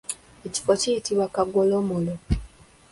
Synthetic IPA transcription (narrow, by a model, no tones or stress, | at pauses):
eci̥focijitiβwakaɡolomolo